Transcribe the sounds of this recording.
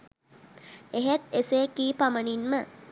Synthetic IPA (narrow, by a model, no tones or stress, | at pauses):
eɦet̪eseːkiːpaməninmə